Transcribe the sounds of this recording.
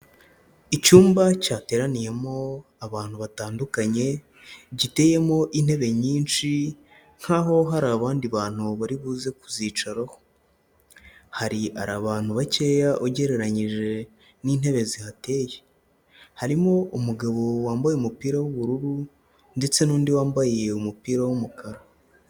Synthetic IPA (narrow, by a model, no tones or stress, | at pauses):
icuːmbacaːte̞ːɾanije̞mo̞ | aβaːn̥huβataːndukaɲe̞ | ɟite̞ːje̞mo̞ʔin̥he̞βe̞ɲiːnt͡ʃi | ŋ̥haːɦo̞ɦaɾaβaːndiβaːn̥huβaɾiβuːze̞kuziːt͡ʃaɾaho̞ | haɾia̰ɾaβaːn̥huβace̞ːjaʔoɟe̞ɾe̞ɾaɲiʒe̞ | niːn̥he̞βe̞zihate̞ːje | haɾimo̞ʔumuɡaβo̞waːmbajeumupiːɾawuβuɾuɾu | nde̞t͡se̞nuːndiwaːmbaje̞umupiːɾawumukaɾa